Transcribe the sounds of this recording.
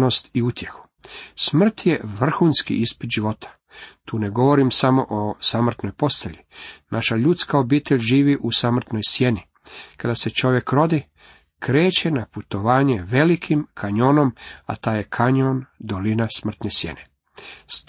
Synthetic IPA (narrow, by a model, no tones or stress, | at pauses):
nost̪iut̪jexu̥ | smr̩t̪jeʋr̩xuːnskḭʔispid̪ʒiʋo̞t̪ʰḁ | t̪uːne̞ɡo̞ʋo̞ɾimsamo̞̰ʔosamr̩t̪no̞jpo̞st̪eʎinaʃaʎut̪skao̞biːt̪eʎʲʒiːʋiʔusamr̩t̪no̞jsje̞ni | kad̪ase̞t͡ʃo̞ʋje̞kɾo̞d̪i | kɾe̞ːt͡ɕe̞naput̪o̞ʋaːɲeʋe̞likʰimkʰaɲono̞ma̰t̪aːjekʰaɲond̪olinasmr̩t̪nesjḛne | s